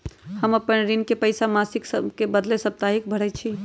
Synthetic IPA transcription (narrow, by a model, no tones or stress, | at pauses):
həməpənɾinkepəjsamasiksəkebəd̪lesəb̚t̪aɦikbʱəɽɛt͡ʃʰi